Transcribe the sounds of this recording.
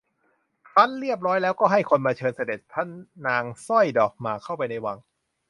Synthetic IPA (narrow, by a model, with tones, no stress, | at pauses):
pʰa˦˥nɾi˥˩əp̚ɾɔː˦˥jlɛː˦˥wkɔː˥˩ɦa˥˩jkʰo˧npa˧t͡ɕʰɤː˧nsa˧de˨˩t̪̚pʰa˦˥nːaː˧ŋsɔ˥˩jdɔː˨˩k̚maː˨˩kʰa˥˩wpa˧jna˧jwa˧ŋ